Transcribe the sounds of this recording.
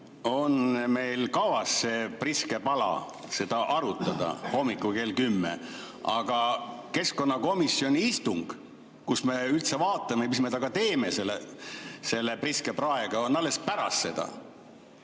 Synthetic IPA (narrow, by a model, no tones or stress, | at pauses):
o̞nme̞jlkɑvɑsːe̞priske̞pɑlɑ̰ | se̞d̪̥ɑʔɑɾut̪ːˑɑd̪̥ɑ̰ho̞mːikːˑuke̞ːlkymːḛ | ɑ̰ɡ̥ɑke̞sko̞nːɑko̞misjo̞nʲiist̪uŋɡ̥ | kusme̞ylt̪se̞vɑːt̪ˑːɑmemismet̪ɑɡ̥ɑt̪e̞ːme̞selːese̞lːepriske̞prɑe̞ɡ̥ɑo̞nɑlːe̞spæɾɑ̰sːe̞d̪̥ɑ̰